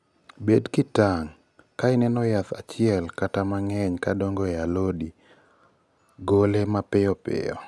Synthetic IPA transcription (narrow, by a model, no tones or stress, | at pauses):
bedkɪtaŋ | kaɪnɛnɔjat̪at͡ʃɪɛlkatamaŋɛɲkadɔŋɡɔjalodi | ɡolemapɪɔpɪ̰jɔ̰